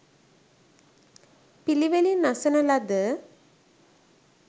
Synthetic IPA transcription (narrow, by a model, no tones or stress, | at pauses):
piliʋelinasənɐlad̪ə